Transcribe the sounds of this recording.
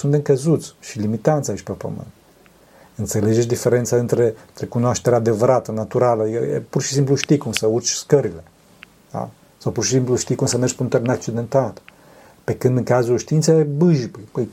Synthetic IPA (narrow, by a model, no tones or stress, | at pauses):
sund̪eŋkəzut̪sʲʃilimit̪ant̪sait͡ʃʲpepə̰mɨ̰nt̪ | ɨnt̪se̞led͡ʒet͡ʃʲd̪ife̞ɾe̞nt̪saɨnt̪ɾe̞ɨnt̪ɾe̞kunoaʃt̪e̞ɾead̪e̞vəɾat̪ənat̪uɾaləad̪ikə̰jḛpurʃisimpluʃt̪ikumsəurt͡ʃʲskəɾile̞̥ | a̰ | sawpurʃisimpluʃt̪ikumsəmerd͡ʒʲpunt̪oɾɨnak̚t͡ʃid̪e̞nt̪at̪ | pe̞kɨnd̪ɨŋkazulʃt̪int̪sejebɨʒpəjpəj